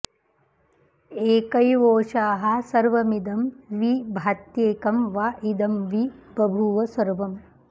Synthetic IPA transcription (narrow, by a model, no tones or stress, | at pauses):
eːkɐjʋoːʂaːɦɐsɐɾʋɐmid̪ɐmʋibʱaːt̪jeːkɐmʋaʔid̪ɐmʋipɾɐbʱuʋɐsɐɾʋɐm